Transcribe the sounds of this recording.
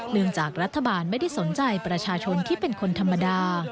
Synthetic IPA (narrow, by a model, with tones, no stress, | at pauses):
nɯ˥˧˩əŋt͡ɕaː˨˩k̚ɾa˦˥t̪ʰːa˧baː˧nma˥˩jda˥˩jso˩˦nt͡ɕa˧jpɾa˧t͡ɕʰaː˧t͡ɕʰo˧nt̪ʰiː˥˩pe˧nkʰo˧nt̪ʰa˧mːa˧daː˧